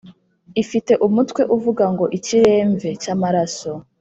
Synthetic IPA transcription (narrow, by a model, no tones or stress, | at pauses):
ifite̞ʔumutkwe̞ʔuvuɡaŋɡo̞ʔiciɾe̞ːɱve̞caːmaɾaso̞